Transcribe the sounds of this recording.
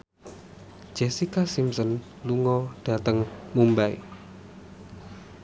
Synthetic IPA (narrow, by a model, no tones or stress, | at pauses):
d͡ʒ̥ɛsikasimsɔn | luŋɔɖ̥ä̤t̪əŋmumbai